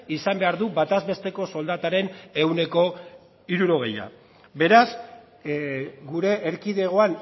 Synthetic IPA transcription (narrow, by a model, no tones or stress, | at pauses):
isambe̞aɾðubat̪azβe̞st̪e̞ko̞so̞ld̪at̪aɾe̞ne̞wne̞ko̞ | iɾuɾo̞ɣe̞ja̰ | be̞ɾaz | ɡuɾe̞ʔːɾkiðeɣ̞o̞an